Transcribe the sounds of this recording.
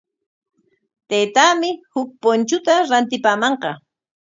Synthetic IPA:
t̪ejt̪aːmɪhʊk̚pont͡ʃʊt̪aɾant̪ɪpaːmɑɴqɑ

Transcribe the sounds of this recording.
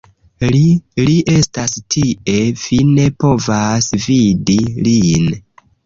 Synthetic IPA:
liʔe̞stastʰiʔe̞v̥ine̞po̞vasvidilin

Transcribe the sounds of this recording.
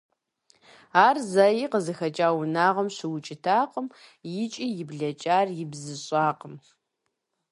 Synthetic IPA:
aːrzɐjiːqəzɨxɐt͡ʃʼaːwʊnaːʁɐmɕɪwʊt͡ʃʼɪtʰaːqəmjɪt͡ʃʼijɪbɮɐt͡ʃʼaːrjɪbzɨɕʼaːqəm

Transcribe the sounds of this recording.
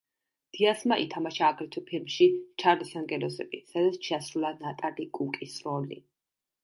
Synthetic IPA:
d̪̥iasmaʔit̪ʰamaʃaːɡʼɾɛt̪ʰupʰilmʃit͡ʃʰaɾlisaŋɡɛlɔsɛbisad̪at̪st͡ʃʰasɾulˠanat̪ʼalikʼukʼisɾɔlḭ

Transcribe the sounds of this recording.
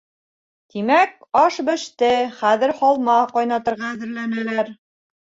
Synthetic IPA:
t̪imæk̚ɑʃbɘ̆ʃt̪ɘχæðɘ̆ɾhɑlˠmɑqɑjnɑt̪ɤ̆ɾʁɑːðɘ̆ɾlænælæɾ

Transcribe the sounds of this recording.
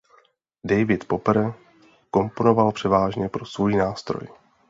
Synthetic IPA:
dɛjvɪt̪po̞pɛɾɛ | ko̞mpono̞valpr̝̥ɛvaːʒɲɛpɾo̞svojiːnaːst̪ɾo̰j

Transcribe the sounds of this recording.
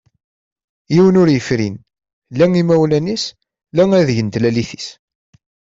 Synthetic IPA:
jiwənʊɾjəfɾḭn | læŋimæwlænis | læŋæðjənt̪læliθis

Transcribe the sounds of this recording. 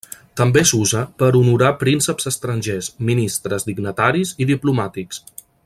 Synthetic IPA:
t̪əmbesuzəpəɾunuɾapɾinsəpz̥əst̪ɾənʲʒesminist̪ɾəzd̪iɡnət̪aɾiziðiplumat̪iks

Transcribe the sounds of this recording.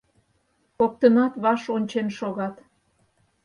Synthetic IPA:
kok̚t̪əmɑt̪βɑʃonʲt͡ɕenʃoɣɑt̪

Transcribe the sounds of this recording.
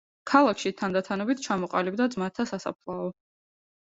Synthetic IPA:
kʰalˠakʰʃit̪ʰand̪at̪ʰanɔbit̪ʰt͡ʃʰamɔqʼalib̚d̪ad̪zmat̪ʰːasasa̰pʰlˠaɔ

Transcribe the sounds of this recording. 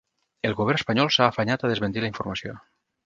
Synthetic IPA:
elˠɣuβ̞ɛrnespaɲɔlˠsaːfaɲat̪aðezment̪ilaiɱfuɾmasjo̰

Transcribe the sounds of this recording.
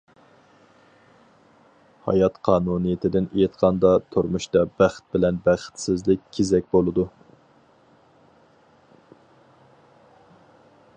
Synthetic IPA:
hɑ̰jɑt̪qʰɑːnunɨjet̪ʰɪd̪ɪnejɪt̪qʰɑnd̪ɑt̪ʰoɾmuʃt̪ɑbæχt̪̚bɪlɛnbæχt̪sɪzlɪkʲːʰezɛkʲbolˠɨd̪u

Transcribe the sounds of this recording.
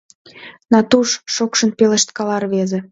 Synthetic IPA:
nɑt̪uʃʃokʃə̆npelə̆ʃt̪kɑlɑrβeze

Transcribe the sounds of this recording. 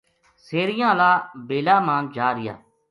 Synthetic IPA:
seːɾɪjãːlaːbeːlaːmãːnd͡ʒaːɾɪja̰ː

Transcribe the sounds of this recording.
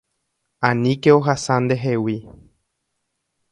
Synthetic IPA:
ãnĩkeoɦasãnd̪e̞ɦewi

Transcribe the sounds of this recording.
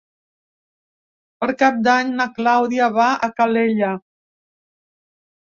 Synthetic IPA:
pəɾkap̚d̪aɲnaklawðiaβaʔəkaleʎə

